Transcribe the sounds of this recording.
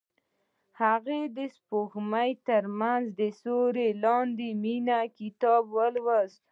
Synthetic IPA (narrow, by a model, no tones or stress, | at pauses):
haɣed̪əspoxmajt̪əɾmanzd̪əsoɾelɑnd̪eminakɪt̪ɑbwəlwəz